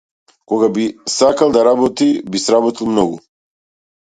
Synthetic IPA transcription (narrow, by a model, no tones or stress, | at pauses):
kɔɡabisakalˠd̪aɾabɔt̪ibisɾabɔt̪ilˠmnɔɡu